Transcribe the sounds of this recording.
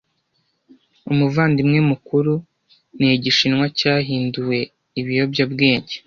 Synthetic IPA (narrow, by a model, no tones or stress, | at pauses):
umuvaːndimŋemukuɾu | neɟiʃinŋwacaːɦiːnduwe̞ | iβijo̞bjabɡe̞ːɲɟe